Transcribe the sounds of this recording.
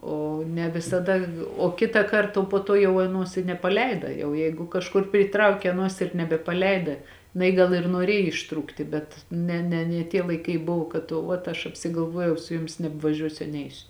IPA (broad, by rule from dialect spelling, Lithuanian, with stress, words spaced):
ˈoː nʲɛ ʋʲɪsɐˈdɐ oː ˈkʲɪtɑːˌkɐrt poː ˈtuɔ jɛʊ ɐˈnuɔs ɪ nʲɛpɐˈlʲɛɪdɐ jɛʊ ˈjɛɪɡʊ kɐʃˈkʊr pʲrʲiːˈtrɐʊkʲɛ ɐˈnuɔs ɪr nʲɛbʲɛpɐˈlʲɛɪdɐ jɪˈnɐɪ ˈɡɐlˠ ɪr nuɔˈrʲeːj ɪʃˈtruːktʲɪ ˈbʲɛt ˈnʲɛ nʲɛ nʲiɛ ˈtʲiɛ lˠɐɪˈkɐɪ ˈbʊʋoː kɐt oː ˈʋɐt ɐʃ ɐpʲsʲɪɡɐlˠˈʋuɔjɛʊ ˈsʊ ˈjʊmʲɪs nʲɛbʋɐˈʒʲuɔsʲʊ ɐ ˈnʲɛɪsʲʊ